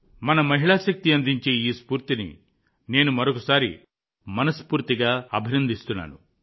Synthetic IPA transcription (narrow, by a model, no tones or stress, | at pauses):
mɐnɐmɐɦiɭaːʃɐk̚t̪iɐnd̪iɲt͡ʃeːiːspuːɾt̪inḭ | ne̞ːnumɐɾokɐsaːɾḭ | mɐnɐspuːɾt̪iɡaːɐbʱinɐnd̪ist̪unːa̰ːnu